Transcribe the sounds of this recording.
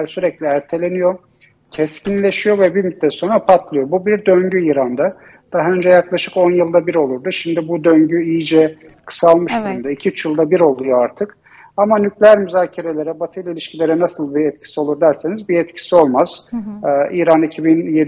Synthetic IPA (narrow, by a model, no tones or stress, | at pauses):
ɾsyɾɛclʲiæɾt̪ʰe̞lʲe̞nijo̞ | cʰɛscʰʲinlʲe̞ʃijo̞vɛbiɾmyt̪lʲɛso̞nɾapʰat̪lˠɯjo̞bubiɾd̪øɲɟyiːɾand̪a | d̪̥aɦaønd͡ʒɛjaklˠaʃɯko̞njɯlˠd̪abiɾo̞lˠuɾd̪uʃimd̪ibud̪øɲɟyijid͡ʒɛ | kʰɯ̥salˠmɯʃd̪uɾnd̪aicʰiyt͡ʃjɯlˠd̪abiɾo̞lˠujo̞aɾt̪ʰɯk | amanyclʲæɾmyzaːcʰaɾe̞lʲe̞ɾɛbat̪ʰɯjlˠailʲiʃcʰilʲe̞ɾɛnasɯlˠbiɛt̪̚cʰi̥sio̞lˠuɾd̪æɾse̞nizbiɛt̪cʰi̥sio̞lˠmaz̥ | iːɾanicʰibinje